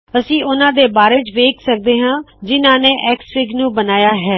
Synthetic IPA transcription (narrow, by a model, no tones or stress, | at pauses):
əsĩːʔʊnãːd̪eːbaːɾeːd͡ʒʋeːksək̚d̪eːɦãːd͡ʒɪnãːneːʔɛːksfɪɡnũːbənaːjaːɦɛː